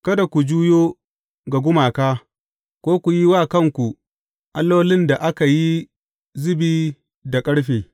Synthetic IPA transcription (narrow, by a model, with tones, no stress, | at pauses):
kɐ˦da˨kʷu˨d͡ʒuː˦joː˦ | ɡa˨ɡʷʊ˦maː˨kaː˦ | kʷoː˦kʷu˨ji˦waː˦˨kɐ˦˨ŋkʷu˨ | ʔa˨˦lːo˦wlɪ˦nda˨ʔa˦ka˨ji˦ | zɪ˦biː˦ | da˨kʼɐ˦ɽɸeː˨